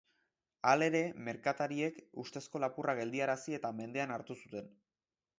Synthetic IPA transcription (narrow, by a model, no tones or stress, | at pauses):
ale̞ɾe̞me̞ɾkat̪aɾie̞kust̪e̞sko̞lapuraɣe̞ld̪iaɾasie̞t̪ame̞nd̪e̞anaɾt̪usut̪e̞n